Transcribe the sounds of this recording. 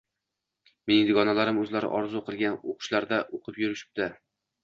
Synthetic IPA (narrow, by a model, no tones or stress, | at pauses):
med̪ɪɡɒnalaɾɪmɵzlaɾɪ̰ʔɒɾzʊqɨlˠɡʲanoqʰʊ̥ʃlaɾd̪aʔoqʰɨpjʊɾɪʃɪ̥p̚t̪ɪ